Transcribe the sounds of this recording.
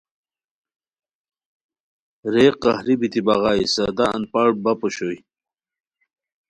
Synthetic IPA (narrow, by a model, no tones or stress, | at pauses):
ɾeːqːɑhɾibit̪ibɐʁɑːjsɐd̪a̰ːnpɑʈ̚bɐpoɕoj